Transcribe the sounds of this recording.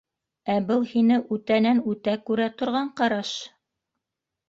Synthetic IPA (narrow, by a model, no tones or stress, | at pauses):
æbɤlˠhinɘʔʉt̪ænænʉt̪ækʉɾæt̪ŏɾʁɑɴqɑɾɑʃ